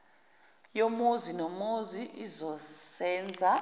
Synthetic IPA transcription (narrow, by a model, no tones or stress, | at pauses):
jomozinɔmoziʔizɔsɛːnd͡zʱa